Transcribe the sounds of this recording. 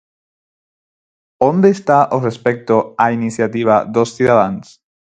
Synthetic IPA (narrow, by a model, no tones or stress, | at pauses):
ond̪est̪aʔorespek̚t̪oainisjat̪iβ̞aðosθuðaðans